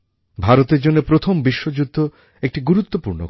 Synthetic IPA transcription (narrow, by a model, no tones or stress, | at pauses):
bʱaɾot̪eɾd͡ʑonːepɾot̪ʰombiʃːod͡ʑud̪ʱːo | ek̚ʈiɡuɾut̪ːopuɾno̰k